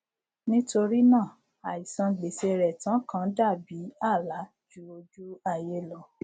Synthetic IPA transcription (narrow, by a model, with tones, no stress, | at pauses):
nĩ˦to˧ɾi˦nãː˦˨ | a˨i˨sã˧ɡ͡be˨se˧ɾɛ˨tã˨˦kã˦da˦˨bi˨˦a˦˨la˨˦ | d͡ʒu˦o˧d͡ʒu˦a˨je˧˦lɔ˨˦